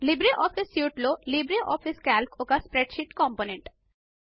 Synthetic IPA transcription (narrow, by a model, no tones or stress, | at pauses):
libɾiʔɔpʰisjuːʈlolibɾiʔɔpʰiskælkokaspɾeɖʃiʈkɔmponeɳʈ